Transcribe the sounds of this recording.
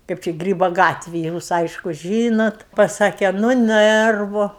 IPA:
ˈkɐɪp t͡ʃʲɛ ˈɡrʲiːboː ˈɡɑːtʲʋʲeːj ˈjuːs ˈɐɪʃkʊ ˈʒʲiːnoːt pɐˈsɑːkʲeː nʊ ˈnɜrʋʊ

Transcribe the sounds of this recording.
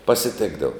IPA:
pɐsʲɪˈtʲeːɡdɐʋoː

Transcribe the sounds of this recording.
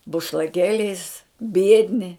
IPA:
bʊʃlˠɐˈkʲeːlʲɛɪs ˈbʲiɛdʲnʲɪ

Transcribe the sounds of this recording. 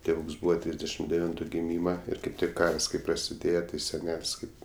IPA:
tʲeːˈʋuːks ˈbuːʋɐ ˈtʲrʲiːzʲdʲɛʃʲɪm dʲɛˈʋʲɪntʊ ɡʲɪˈmʲiːmɐ ˈɪr kɐɪp ˈtʲɪk ˈkɐrs kɐɪp prɐsʲɪˈdʲeːjɛ tʲɪ sʲɛˈnʲɛlʲsʲ ˈkɐɪp

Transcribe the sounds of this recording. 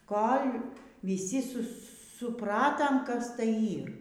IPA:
ˈkoːlʲ ʋʲiːˈsʲɪ ˈsʊ sʊ sʊˈprɑːtɐm kɐs ˈtɐɪ ˈiːr

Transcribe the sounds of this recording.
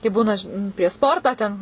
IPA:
kɐɪ ˈbuːnɐ ʒʲɪn pʲrʲiɛʃ ˈspoːrtɑː tʲɛn

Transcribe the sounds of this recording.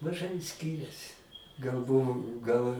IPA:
mɐˈʒɐɪ ˈsʲkʲɪrʲɛsʲɪ ɡɐlˠ ˈbʊʋʊ ɡɐlˠ

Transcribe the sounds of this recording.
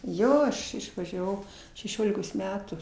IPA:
ˈjoː ˈɐʃ ɪʃʋɐʒʲɛˈʋɐʊ ʃʲɛˈʃʲoːlʲɪkoːs ˈmʲæːtuː

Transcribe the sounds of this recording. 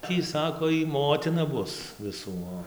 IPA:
ˈtʲiː ˈsɑːkoː ˈjiː ˈmoːtʲɪnɐ ˈbʊs ʋʲɪˈsuː ˈoː

